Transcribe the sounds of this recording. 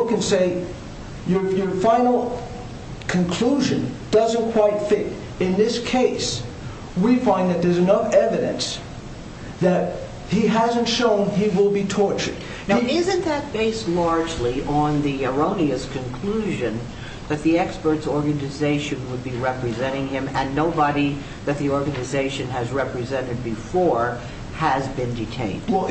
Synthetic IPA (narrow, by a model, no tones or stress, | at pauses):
kɨ̃nseɪ | jə˞jə˞fãɪ̃nl̩ˠ | kʰɨ̃nkʰl̥uʒɨ̃nd̥ʌzɨ̃nkʰw̥aɪtfɪɾ | ɨ̃nðɪskʰeɪs | wifãɪ̃nðɨt̪̚ðə˞zɨnʌfɛvɨɾɨ̰̃ns | ðɨt̚ | hiɦæzɨ̃n̩tʃõʊ̃niwɪlˠbitʰɔɹt͡ʃə̰˞d̃ | ɪzɨ̃nðɨt̚b̥eɪstˡlɑɹd͡ʒliʔə̃nðiə˞õʊ̃niɨskʰɨ̃nkʰl̥uʒɨ̃n | ðɨt̪̚ðiɛkspə˞tsɔɹɡɨnɨzeɪʃɨ̃nwəd̚biɹɛpɹɨzɛ̃ɾ̃ɪ̃ŋɪ̃mɨ̃nːoʊbəɾi | ðɨt̪̚ðiɔɹɡɨnɨzeɪʃɨ̃nɨzɹɛpɹɨzɛ̃ɾ̃ɨd̚bɨfɔɹ | ɨzbɨ̃ndɨtʰḛ̃ɪ̃n